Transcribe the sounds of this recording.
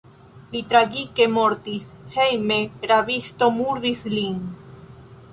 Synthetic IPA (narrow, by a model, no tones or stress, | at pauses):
lit̪ɾaɣikemoɾt̪iθhejmeɾaβist̪omuɾðisliŋ